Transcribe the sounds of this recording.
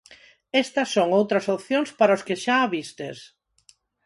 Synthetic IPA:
est̪ɐsːoŋowt̪ɾɐsopθjoŋspaɾaoskeʃaaβist̪es

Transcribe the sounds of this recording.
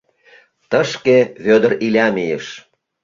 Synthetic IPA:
t̪əʃkeβød̪ə̆ɾilʲæmijəʃ

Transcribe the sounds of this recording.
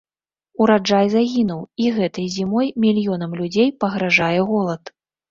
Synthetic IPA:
uɾad͡ʐajzaɣʲinuwiɣɛt̪ɨjzʲimɔjmʲilʲjɔn̪ɐmlʲud͡zʲejpɐɣɾaʐajɛɣɔlˠɐt̪

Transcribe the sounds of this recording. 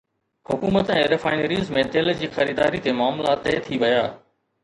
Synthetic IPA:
hʊkuːmət̪ɛ̃ːɾɪfaːɪnəɾiːzmẽt̪eld͡ʑiːxɐɾiːd̪aːɾit̪emaːmlat̪eːt̪ʰiʋɐjaː

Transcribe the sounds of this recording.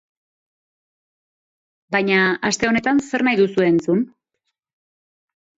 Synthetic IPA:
bajɲaast̪e̞o̞ne̞t̪anse̞ɾnajðusue̞ːnt͡sun

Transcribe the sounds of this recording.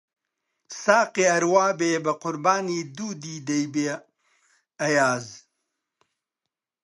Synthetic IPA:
saːqeɐɾwaːbeːbɐqʊɾbaːniːd̪uːd̪iːd̪ɐjbeː | ɐjaːz

